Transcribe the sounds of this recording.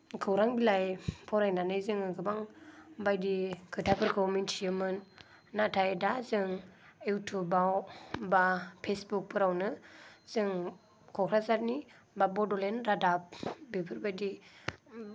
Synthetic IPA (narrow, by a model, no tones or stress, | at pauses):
kʰɯwɾaŋbilajpʰɔɾajnanɯjzɯŋɯɡɯbaŋbajdikʰɯtʰapʰɯɾkʰɯwmintiɯmɯnː | atʰajdazɯŋewtʰubawbapʰesbuk̚pʰɯɾawnɯz̥ɯŋ | kʰɔkʰɾazaɾ̚ni | babɔdɔlenɾadap̚bepʰɯɾbajdi